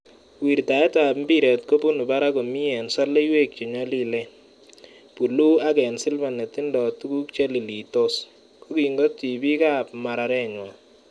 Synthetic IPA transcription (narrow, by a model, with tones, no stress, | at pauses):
wi˨ɾta˨ɛ˦ta˨pm˦bi˦ɾɛ˨tko˦pu˦nu˨ba˦ɾa˦ko˨mi˦ɛ˨nsa˦le˦i˦we˦˨k̚t͡ʃi˨ɲwa˦li˦lɛ˦ | pu˨lu˦a˦kɛ˨nsɪ˦lba˨nɛ˨tɪ˦ndɔ˨tu˦ku˦k̚t͡ʃɛ˦li˨li˨to˦s | ko˦ki˨ŋɡo˦ti˨bi˦ka˦pma˨ɾa˧ɾɛ˦ɲwa˨